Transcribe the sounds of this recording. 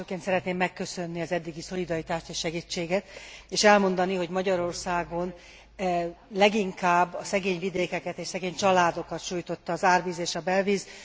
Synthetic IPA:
økːeːnt̪sɛɾɛt̪neːmːɛkːø̞sø̞nːiɒzɛd̪ːiɡiso̞lid̪ɒɾit̪aːʃt̪eːʃʃɛɡiːt͡ʃːeːɡɛt̪eːʃɛlmo̞nd̪ɒniɦo̞ɟmɒɟɒɾo̞rsaːɡo̞n | lɛɡiŋkaːbːɒsɛɡeːɲvid̪eːkɛkɛt̪eːʃsɛɡeːɲt͡ʃɒlaːd̪o̞kɒt̪ʃuːjt̪o̞t̪ːɒːzaːrviːzeːʃɒbɛlviːz

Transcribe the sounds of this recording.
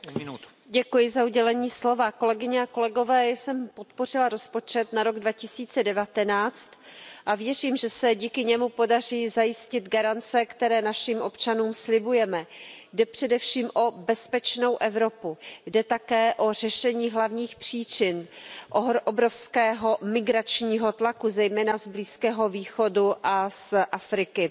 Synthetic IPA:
ɟɛkujɪzauɟɛlɛɲiːslo̞vako̞lɛɡɪɲɛako̞lɛɡo̞vɛːjsɛmpo̞t̪po̞rɪlaɾo̞spo̞t͡ʃɛt̪naɾo̞ɡdvacɪsiːt͡sɛdɛvat̪ɛnaːt͡st̪ʔavjɛr̝iːmʒɛsɛɟiːkɪɲɛmupo̞dar̝iːzajɪscɪd̪ɡaɾant͡sɛkt̪ɛɾɛːnaʃimʔo̞pt͡ʃanuːmslɪbujɛmɛjdɛpr̝̥ɛdɛfʃiːmʔo̞bɛspɛt͡ʃno̞wʔɛvɾo̞pujdɛt̪akɛːʔo̞r̝ɛʃɛɲiːɦlavɲiːxpr̝̥iːt͡ʃɪnʔoʔobɾo̞fskɛːɦo̞mɪɡɾat͡ʃɲiːɦo̞t̪lakuzɛjmɛːnazbliːskɛːɦo̞viːxo̞duʔasʔafɾɪkɪ

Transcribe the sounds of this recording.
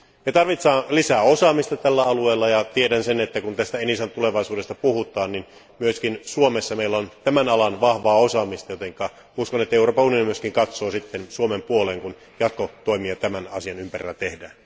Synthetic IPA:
met̪ɑrʋit̪sɑːnlisæːosɑːmist̪ɑt̪ælːæɑlueːlːɑjɑt̪iedænsenet̪ːækunt̪æst̪æenisɑnt̪uleʋɑisuːdest̪ɑpuhut̪ˑɑːnnin | myøskinsuomesːɑmeilːont̪æmænɑlɑnʋɑhʋɑːosɑːmist̪ɑjot̪eŋkːˑɑː | uskonet̪ːæeuɾoːpɑunionimyøskiŋkɑt̪soːsit̪ːensuomempuoleŋkun | jɑt̪kot̪oimiɑt̪æmænɑsiɑnympærḭlːæt̪ehdæːn

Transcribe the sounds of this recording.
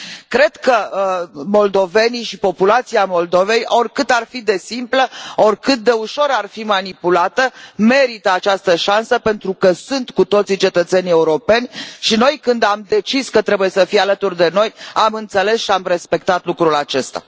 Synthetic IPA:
kɾe̞d̪kə | mo̞ld̪o̞ve̞niʃipo̞pulat̪siamo̞ld̪o̞ve̞jo̞rʲkɨt̪arfid̪e̞simpləo̞rʲkɨt̪̚d̪e̞uʃo̞ɾarfimanipulat̪əme̞ɾit̪əat͡ʃast̪əʃansəpe̞nt̪ɾukəsunt̪kut̪o̞t̪sit͡ʃe̞t̪ət̪se̞nie̞uɾo̞pe̞nʲʃino̞jkɨnd̪amd̪e̞t͡ʃiskət̪ɾe̞buje̞səfijalət̪urd̪e̞no̞jamɨnt̪sele̞sʃiamre̞spe̞k̚t̪at̪lukɾulat͡ʃe̞st̪a̰

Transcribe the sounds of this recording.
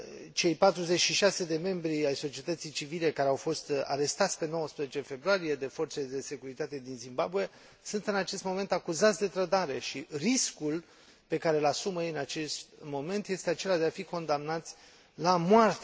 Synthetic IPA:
t͡ʃe̞jpat̪ɾuze̞t͡ʃʃiʃase̞d̪e̞me̞mbɾiajso̞t͡ʃiet̪ət̪sijt͡ʃivile̞kaɾeawfo̞st̪a̰ɾe̞st̪at̪sʲpe̞no̞wəspɾezet͡ʃe̞fe̞bɾoaɾije̞d̪e̞fo̞rt̪seld̪e̞se̞kuɾit̪at̪e̞d̪inzimbabue | sunt̪ɨnat͡ʃe̞st̪mo̞me̞nt̪akuzat̪sʲd̪e̞t̪ɾəd̪aɾe̞ʃiriskul | pe̞kaɾelasuməjeɨnat͡ʃe̞st̪mo̞me̞nt̪je̞st̪eat͡ʃe̞lad̪e̞afiko̞nd̪amnat̪sʲ | lamoart̪a

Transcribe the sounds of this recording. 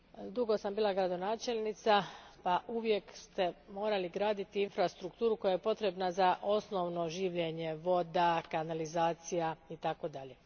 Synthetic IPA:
d̪uɡo̞sambiːlˠaɡɾad̪o̞naːt͡ʃe̞lnit̪sapaʔuʋje̞kst̪e̞mo̞ːɾaliɡɾaːd̪it̪iinfɾast̪ɾukt̪uːɾuko̞jaje̞po̞t̪ɾe̞bnazaʔo̞sno̞ʋno̞ʒiːʋʎeɲe̞ʋo̞d̪akanalizaːt̪sijait̪ako̞d̪aʎe̞

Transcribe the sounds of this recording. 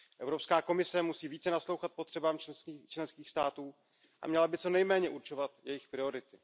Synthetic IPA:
ʔɛvɾo̞pskaːko̞mɪsɛmusiːviːt͡sɛnaslo̞wxat̪̚pot̪r̥ɛbaːmt͡ʃt͡ʃlɛnskiːxst̪aːt̪uː | ʔa̰mɲɛlabɪt͡so̞nɛjmɛːɲɛʔuɾt͡ʃo̞vat̪jɛjɪxpɾɪo̞ɾɪt̪ɪ

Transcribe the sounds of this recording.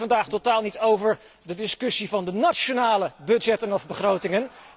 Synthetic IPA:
ɑndaːχtotaːlˠnitowvəɹ | dədɪskɵsivɑndənaʃonaːləbɵdd͡ʒɛtənɔvbəχrowtɪŋən

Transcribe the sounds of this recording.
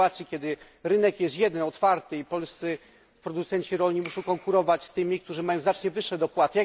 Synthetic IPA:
at̪sʲikʲjɛd̪ɘ | ɾɘnɛkjɛst̪jɛd̪ɛnɔt̪faɾt̪ɘipɔlst̪sɘ | pɾɔd̪ut̪sɛɲt͡ɕiɾɔlɲimuʂɔ̃w̃kɔŋkuɾɔvat͡ɕst̪ɘmʲik̚t̪uʐɘmajɔ̃w̃zat͡ʂɲɛvɘʂːɛd̪ɔpwat̪ɘja

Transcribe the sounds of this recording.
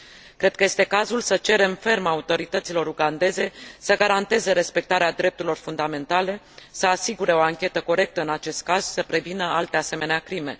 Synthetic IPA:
kɾe̞d̪kəje̞st̪e̞kazulsət͡ʃe̞ɾe̞mfe̞rmaut̪o̞ɾit̪ət̪silo̞ɾuɡand̪e̞ze̞səɡaɾant̪e̞ze̞ɾe̞spe̞k̚t̪aɾead̪ɾe̞p̚t̪uɾilo̞rfund̪ame̞nt̪ale̞ | səasiɡuɾe̞o̞aŋkʲe̞t̪əko̞ɾe̞k̚t̪əɨnat͡ʃe̞st̪̚kaz̥səpɾe̞vinəalt̪ease̞me̞neakɾime̞

